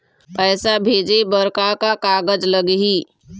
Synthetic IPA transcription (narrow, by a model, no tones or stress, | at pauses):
pɛːsabʱeːd͡ʒebəɾkakakaːɡəd͡ʒləɡɦi